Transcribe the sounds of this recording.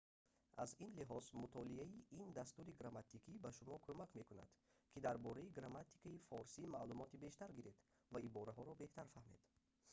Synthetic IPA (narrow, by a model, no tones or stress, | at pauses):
ʔa̰zinliɦɔzmut̪ʰɔliaiʔind̪ast̪uɾiɡɾamat̪ʰikʰibaʃumɔkʰomakme̞kuna̰d̪̥kʰid̪aɾbɔɾaiɡɾamat̪i̥kʰaifɔɾsimalumɔt̪ibe̞ʃt̪aɾɡiɾe̞d̪ | vaibɔɾaɦɔɾɔbe̞ht̪ʰaɾfahme̞̰d̪̥